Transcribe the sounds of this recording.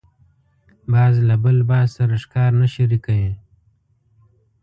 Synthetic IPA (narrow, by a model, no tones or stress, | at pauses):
baːzlabəlbaːzsɐɾəʂkaːɾnaʃiɾikajẽː